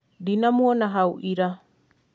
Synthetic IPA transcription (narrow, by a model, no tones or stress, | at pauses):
dinamuɔnaɦauʔiɾa